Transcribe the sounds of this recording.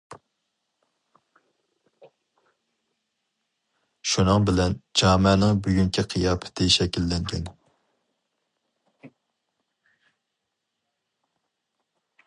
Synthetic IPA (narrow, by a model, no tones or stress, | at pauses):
ʃunɨŋbɪlɛnd͡ʒɑːmɛnɪŋbyɡʲyŋkʲʰiqʰijɑːpʰɪ̥t̪ʰɪʃɛkʲilːɛŋɡʲɛn